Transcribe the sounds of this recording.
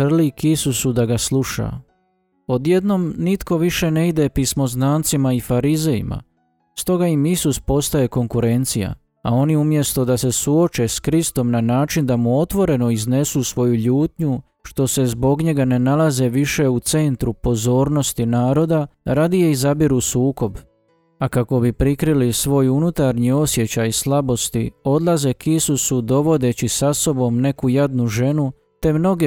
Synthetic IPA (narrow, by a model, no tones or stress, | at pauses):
r̩likisusud̪aɡaslˠuʃa̰ | o̞d̪je̞d̪no̞mnit̪ko̞ʋiʃe̞ne̞id̪e̞pismo̞znaːnt̪simaifaɾize̞jḭma̰ | st̪o̞ɡaimisuspo̞st̪aje̞ko̞ŋkuɾe̞nt̪sija̰ | ao̞niumje̞st̪od̪ase̞suo̞t͡ʃe̞skɾist̪o̞mnanaːt͡ʃind̪amuo̞t̪ʋo̞ɾe̞no̞izne̞susʋo̞juʎuːt̪ɲu | ʃt̪o̞se̞zbo̞ɡɲe̞ɡane̞nalaze̞ʋiʃe̞ut̪se̞nt̪ɾupo̞zo̞ːɾnost̪inaːɾo̞d̪aɾad̪ijeizabiɾusuːko̞b | akako̞bipɾikɾilisʋo̞junut̪aɾɲio̞sje̞t͡ɕajislˠabo̞st̪io̞d̪lˠaze̞kisusud̪o̞ʋo̞d̪e̞t͡ɕisaso̞bo̞mne̞kujad̪nuʒe̞nu | t̪e̞mno̞ɡe